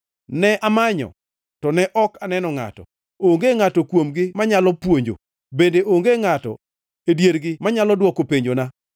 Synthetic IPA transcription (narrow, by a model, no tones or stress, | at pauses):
nɛʔamaɲɔ̰ | tɔnɛʔɔkanɛnɔŋa̰tɔ̰ | oŋɡeŋatɔkwomɡɪmaɲalɔpwoɲd͡ʒo̰ | bendeʔoŋɡeŋatɔ̰ | edjeɾɡɪmaɲalɔdwɔkopeɲd͡ʒona